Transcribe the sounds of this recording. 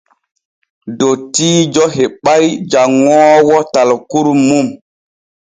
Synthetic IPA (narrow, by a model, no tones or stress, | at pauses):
dotiːd͡ʒɔɦeɓajd͡ʒaŋːɔːwɔtalkuɾmum